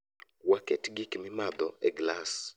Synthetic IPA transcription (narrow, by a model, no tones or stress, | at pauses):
waketɡɪkmɪmad̪ɔɛɡlas